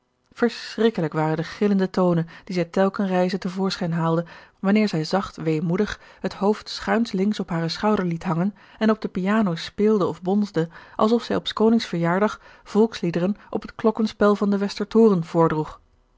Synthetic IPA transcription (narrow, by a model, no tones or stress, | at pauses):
v̥əɹsrɪkələkʋaːrəndəχɪləndətownənd̥izɛjtɛlˠkənrɛjzətəvʊːɹsχɛjnɦaːlˠdəʋɑnɪːɹzɛjzɑχtʋejmudəχ | ɦətɦowftsχœɥntlɪŋsɔpɦaːrəsχɑwdəɹlitɦɑŋən | ɛnɔb̚dəpiaːnowspɪːlˠdəɔvbɔnzdəʔɑlˠsɔfsɛjɔpskownɪŋsfəɹjaːɹdɑχv̥ɔlˠkslidərənʔɔ̰pətklɔkənspɛlˠvɑndəʋɛstəɹtʊːrənv̥ʊːɹdruχ